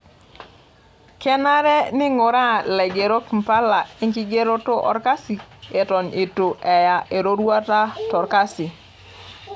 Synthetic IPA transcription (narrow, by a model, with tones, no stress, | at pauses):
kɛ˦na˦ɾɛ˦nɪ˦ŋo˨ɾa˦˨lɛ˨ɡe˨ɾo˦km̩˨pa˦la˨e˦ŋki˦ɡe˦ɾo˦to˦ʔɔ̰˦ɾka˦si˨e˨tɔ˨nʔe˨to˨ʔɛ˨ja˨ʔe˨ɾo˦ɾwa˦ta˦tɔ˨ɾka˦sɪ˨